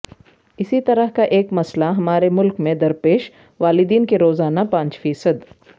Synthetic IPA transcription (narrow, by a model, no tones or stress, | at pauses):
ɪsit̪ɐɾəɦkaʔeːkmɐslaɦɐmaːɾemʊlkmẽd̪ɐɾpeːʃ | ʋaːlɪd̪iːnkeɾoːzaːnapãːɲt͡ʃfiːsəd̪